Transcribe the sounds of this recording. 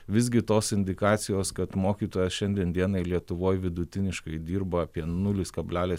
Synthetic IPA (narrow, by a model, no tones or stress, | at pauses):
ʋʲɪzʲɡʲɪt̪oːsɪnʲd̪ʲɪkɑːt̪sʲɪjoːskɐt̪moːkʲiːt̪oːjɛsʃʲɛnʲd̪ʲiɛnd̪ʲiɛnɐɪlʲiɛt̪ʊʋoːjʋʲɪd̪ʊt̪ʲɪnʲɪʃkɐɪd̪ʲiːɾbɐɐːpʲiɛnʊlʲɪskɐbʲlʲæːlʲeːs